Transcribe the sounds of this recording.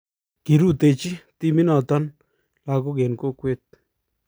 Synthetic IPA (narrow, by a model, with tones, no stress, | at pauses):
ki˨ɾu˦˨t̪e˧˨t͡ʃi˦t̪i˧mi˦na˨t̪a˦n | la˧k̬o˦ɡe˨nko˦kwe˦˨t̪̚